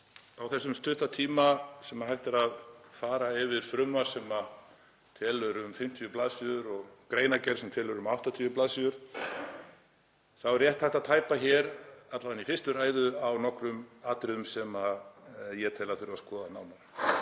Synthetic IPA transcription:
awθɛsːʏmst̪ʏht̪at̪ʰiːmasɛmːahajlt̪ɪɾaðfaːɾaɪvɪɾ̥fɾʏmḁsɛma | t̪ʰɛːlʏɾʏmfɪm̥t̪ʰjʏplaːðsiðʏɾɔɣkɾeːjnacɛɾ̥sɛmt̪ʰɛːlʏɾʏmawht̪at̪ʰiːʏplaðsiðʏɾ̥ | θawɛɾjɛht̪hajht̪aðt̪ʰaːjpaçɛɾat̪lavanifɪst̪ʏɾaːjðʏawnɔhkɾʏmat̪ɾɪðʏmsɛmajɛt̪ʰɛːlaθʏɾvaskɔːðanaːwnaɾ

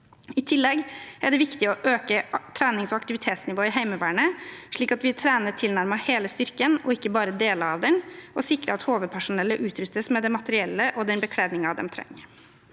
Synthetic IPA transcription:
ɪt̪ʰɪlːɛɡæɖɛʋɪkt̪ɪɔʔøːkət̪ʰɾæːnɪŋsɔɑkt̪ɪʋɪt̪ʰeːt̪snɪʋoːɪɦæɪməʋæːɳəʂɭiːkɑt̪ʋɪt̪ʰɾæːnəʈ̪ʰɪlnæɾməheːləst̪ʏɾkənɔɪkːəbɑːɾəd̪eːləɾɑʋd̪ɛnɔsɪkɾəɑt̪hoːʋəd̪̚pʰæʂʊnɛlːəʔʉːt̪ɾʏst̪əsmɛd̪ɛmɑt̪əɾɪɛlːəʔɔd̪ɛnbəkʰɽeːd̪nɪŋɑd̪ɛ̰mt̪ʰɾɛ̰ŋːə

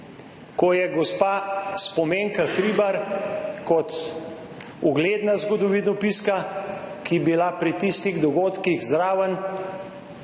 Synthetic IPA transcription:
kɔjɛɡɔspaːspɔmeːŋkaxɾiːbaɾkɔt̪ | uɡleːd̪nazɡɔd̪ɔʋinɔpiskakibilapɾit̪ist̪iɣd̪ɔɡoːt̪kiɣzɾaːʋən

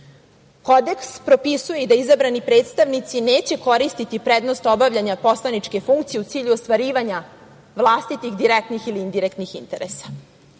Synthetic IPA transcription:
ko̞d̪e̞kspɾo̞pisujeid̪aizabɾanipɾe̞ːt̪st̪aʋnit̪sine̞ːt͡ɕe̞ko̞ɾist̪it̪ipɾed̪nost̪o̞baʋʎʲaɲapo̞slˠanit͡ʂke̞fuŋkt̪sije̞ut̪siːʎuost̪ʋaɾiːʋaɲa | ʋlˠaːst̪it̪ixd̪iɾek̚t̪nixiliind̪iɾekt̪nixint̪eɾesḁ

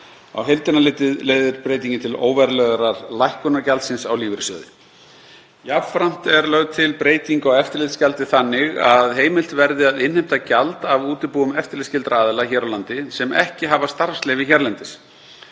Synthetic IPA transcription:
a̰wɦejlt̪ɪnalɪːt̪ɪðleːjðʏɾpɾeːjt̪̬iɲcɪnt̪ʰɪlo̰ːwvɛɾlœɣɾaɾlajhkʏnacalt̪sɪnsawliːvɾɪsœːðɪ | javfɾam̥t̪ɛɾlœɣt̪ʰɪlpɾeːjt̪iŋkɔwɛft̪ɪɾlɪt̪scalt̪ɪθanːɪɣaðɦeːjmɪl̥t̪vɛɾðɪaðɪnhejm̥t̪acalt̪avuːt̪ɪpuːʏmɛft̪ɪɾlɪscɪlt̪ɾaaːðɪlaçɛːɾawlant̪ɪsɛmɛ̰hcɪɦavast̪aɾ̥fslɛːvɪçɛɾlɛnt̪ɪs

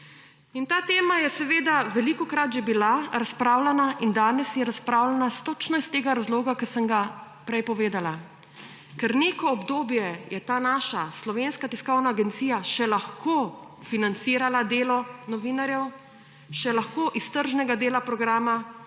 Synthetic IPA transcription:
int̪aːt̪eːmajɛsɛʋeːd̪aʋɛlikɔkɾat̪ʒɛbilaɾaspɾaːwlanaʔind̪aːnɛsjɛɾaspɾaːwlanast̪ot͡ʃnɔist̪eːɡaɾazloːɡakəsəŋɡa | pɾɛjpɔʋeːd̪ala | kɛɾneːkɔɔbd̪oːbjɛjɛt̪aːnaːʃaslɔʋeːnskat̪iskɔwnaːɡɛnt̪siːjaʃɛlaxkʰofinant̪siːɾalad̪eːlɔnɔʋiːnaɾjɛw | ʃɛlaxkoːʔist̪əɾʒnɛɡad̪eːlapɾɔɡɾaːma

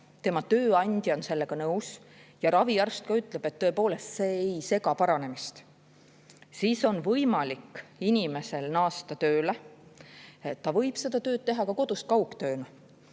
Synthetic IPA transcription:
t̪e̞mɑt̪ø̞ːɑnʲd̪̥jo̞nse̞lːe̞ɡ̥ɑnɤws | jɑɾɑviærst̪̚kɑyt̪ːˑle̞b̥e̞t̪ːø̞e̞po̞ːle̞st̪se̞ːjse̞ɡɑpɑɾɑne̞mist̪ | siːso̞nvɤjmɑlikːinʲime̞se̞lnɑːst̪ɑt̪ø̞ːle | et̪ːɑvɤ̞jb̥se̞d̪̥ɑt̪ø̞ːt̪̚t̪e̞ɦɑkɑko̞d̪̥ust̪̚kɑwkt̪øːnɑ

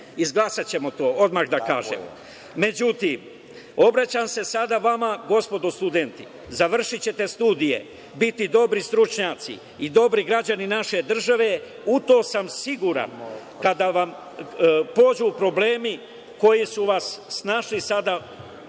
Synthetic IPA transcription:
izɡlˠasat͡ɕe̞mo̞t̪o̞ːo̞d̪maɣd̪aka̰ːʒḛm | me̞d͡ʑut̪im | o̞bɾat͡ɕaːmse̞sad̪aʋamaɡo̞spo̞d̪ost̪ud̪ent̪i | zaʋr̩ʃit͡ɕe̞t̪e̞st̪uːd̪ije̞̰ | bit̪id̪o̞bɾist̪ɾut͡ʃɲaːt̪sḭ | id̪o̞bɾiɡɾad͡ʑaninaʃe̞d̪r̩ʒaʋe̞ | ut̪o̞ːsamsiɡuɾa̰n | kad̪aʋam | po̞ːd͡ʑupɾo̞bleːmi | ko̞jisuʋasːnaːʃlisad̪a

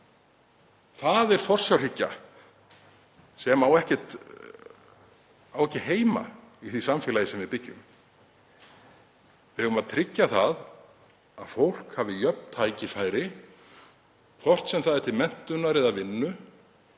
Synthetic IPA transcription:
θaðɛɾ̥fɔr̥sjawricːa̰ | sɛmawɛhcɛt̪ | awɛhcːɪɦeːjma̰iθisamfɛːlajɪsɛmvɪðpɪcːʏ̰m | vɪhɛvʏmaðt̪ʰɾɪcːaθað | aðfowl̥khavɪjœp̚nt̪ʰaːjcɪfaːjɾɪ | kʰɔr̥t̪sɛmθaðɛɾ̥t̪ʰɪlmɛn̥t̪ʏnaɾɪðaðvɪnːʏ

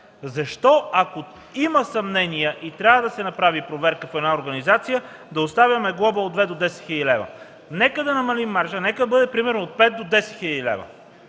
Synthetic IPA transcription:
zɐʃt̪ɔɐko | imɐsɐmnɛnijɛʔit̪ɾʲavəd̪ɐsɛnɐpɾavipɾovɛɾkəfɛd̪naoɾɡɐnizat̪sijə | d̪ɐost̪avʲɐmɛɡlˠɔbəod̪vɛd̪od̪ɛsɛt̪xilʲəd̪ilɛvə̰ | nɛkəd̪ɐnɐmɐlimːaɾʃənɛkəd̪ɐbɤd̪ɛpɾimɛɾnoːt̪̚pɛt̪̚d̪od̪ɛsɛt̪xilʲəd̪ilɛ̰və̰

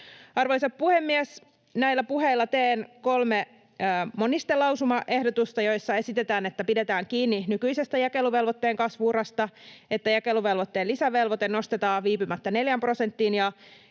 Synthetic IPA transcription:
ɑrʋo̞jsɑppuhemːies | næilːæpuɦe̞ilːɑt̪eːnko̞lmeː | monist̪elɑwsumɑʔe̞hdot̪ust̪ɑjo̞ijsːɑe̞sit̪et̪æːne̞t̪ːæpide̞t̪æːŋkiːnːinykyjse̞st̪æjɑke̞luʋe̞lʋot̪ːeːŋkɑsʋuːrɑst̪ɑe̞t̪ːæjæke̞luʋe̞lʋot̪ːe̞ːlːisæʋelʋo̞t̪eno̞st̪et̪ɑːʋʋiːpymæt̪ːæne̞ljæmpro̞se̞nt̪ːinjɑ

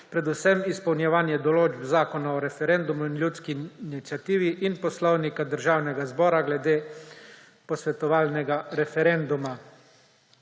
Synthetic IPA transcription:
pɾɛd̪usɛmispɔwnjɛʋaːnjɛd̪ɔloːd͡ʒbzaːkɔnaɔɾɛfɛɾɛnd̪umuinljuːt̪skinit̪sʲjat̪iːʋiʔinpɔslɔwnikad̪əɾʒaːwnɛɡazbɔːɾaɡlɛd̪eː | pɔsʋɛt̪ɔʋaːlnɛɡaɾɛfɛɾɛnd̪uma

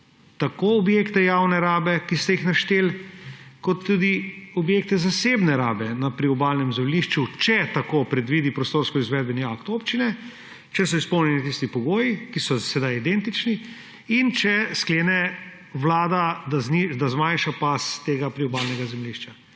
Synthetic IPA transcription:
t̪akoːɔbjekt̪ɛjawnɛɾaːbɛkist̪ɛjixnaʃt̪eːlkɔt̪ːud̪iɔbjek̚t̪ɛzasebnɛɾaːbɛnapɾiɔbaːlnɛmzɛmliʃt͡ʃut͡ʃɛt̪akopɾɛd̪ʋiːd̪ipɾɔst̪oɾskɔizʋɛːd̪̚bɛniakt̪oːpt͡ʃinɛ | t͡ʃɛsɔispɔwnjɛnit̪ist̪ipɔɡoːjikisɔsɛd̪ajid̪ɛnt̪it͡ʃni | int͡ʃɛskleːnɛ | ʋlaːd̪ad̪aznid̪azmajnʃapast̪eːɡapɾiɔbaːlnɛɡazɛmliʃt͡ʃa

